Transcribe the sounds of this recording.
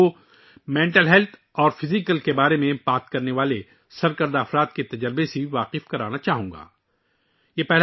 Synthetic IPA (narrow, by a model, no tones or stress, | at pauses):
o | mɛ̃ːɳʈəlɦɛlt̪ʰ | ɔːɾfɪzɪkəlkebaːɾemẽbaːt̪̚kɐɾneʋaːle | sɐɾkɐɾd̪aːfɾaːt̪̚ket̪ɐd͡ʒəɾbeseʋaːqɪfkɐɾaːnat͡ʃaːɦũːŋɡa̰ː | jeːpɛɦl